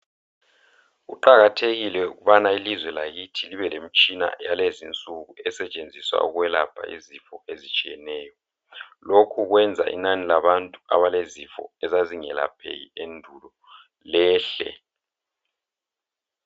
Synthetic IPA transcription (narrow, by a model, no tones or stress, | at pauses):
ṵǃaɣatʰeɣilɛṵɣuβanailizwɛlaɣitʰiliβɛlem̩t͡ʃʼina̰jalezint͡sʼuɣuɛsɛt͡ʃʼend͡zʱiswa̰uɣwɛlab̥ʰʱa̰izifɔezit͡ʃʼijɛnɛːjɔ | lokʰuɣwɛnd͡zʱa̰ʔḭnanilaβantʼua̰βalezifɔ̰ɛzaziŋɛla̰pʰḛjḭendʱulɔ | lɛːɬɛ̰